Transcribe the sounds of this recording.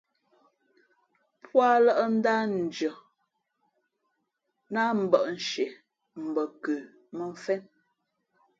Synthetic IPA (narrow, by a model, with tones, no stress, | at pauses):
pwa˦lə˦ʔə˦n̩˦da˦n̩˨d͡ʒə˨ | na˦m̩˨bə˨ʔn̩˨ʃe˨ | m̩˨bə˨kʉ˨ | mə˦ɱ̩˦fɛ˦n